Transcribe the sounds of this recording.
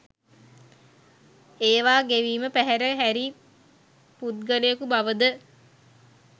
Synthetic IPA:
eːʋaːɡeʋiːməpæɦæɾəɦæɾi | put̪̚ɡəlejəkubaʋəd̪ə

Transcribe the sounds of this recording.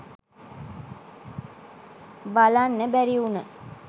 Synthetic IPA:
balanːəbæɾiunə

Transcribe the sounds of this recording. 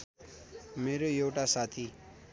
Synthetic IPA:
meɾojewʈasat̪ʰi

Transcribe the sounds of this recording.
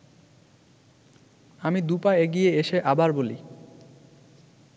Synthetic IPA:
amid̪upaeɡijeeʃeʔabaɾboli

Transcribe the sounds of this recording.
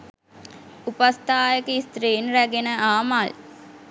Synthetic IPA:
upɐst̪aːjɐkəist̪ɾeːnɾæɡenəʔaːmaːl

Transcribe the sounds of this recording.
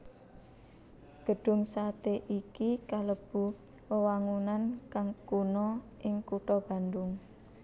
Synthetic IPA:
ɡ̥ə̤ɖ̥ʊ̤ŋsat̪eʔikikaləb̥ṳ | wəwaŋunankaŋkunɔʔɪŋkuʈɔb̥a̤nd̪ʊŋ

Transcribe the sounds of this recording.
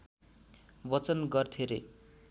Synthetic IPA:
bʌt͡sʌnɡʌrt̪ʰeɾe

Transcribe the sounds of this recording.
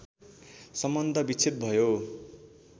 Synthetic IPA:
sʌmbʌnd̪ʱʌbit͡sʰit̪̚bʱʌjo

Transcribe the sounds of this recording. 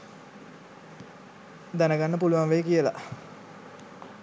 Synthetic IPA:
d̪ænəɡanːəpuluʋaŋʋejkijəla̰

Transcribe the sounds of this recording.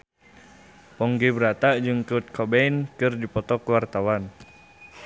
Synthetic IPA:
pɔŋɡɛbəɾat̪aʔd͡ʒɨŋkut̪̚kʰɔbɛjnkɨrdipɔt̪ɔkəwart̪awan

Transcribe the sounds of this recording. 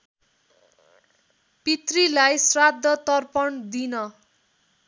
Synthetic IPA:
pit̪rilajsrad̪ʱːʌt̪ʌrpʌɳd̪inʌ

